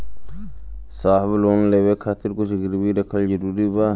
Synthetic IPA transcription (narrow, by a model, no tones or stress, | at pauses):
saːɦbloːnleːwekʰaːt̪ɪɾkʊsɡɪɾbiɾɐkʰəld͡ʒəɾuːɾibaː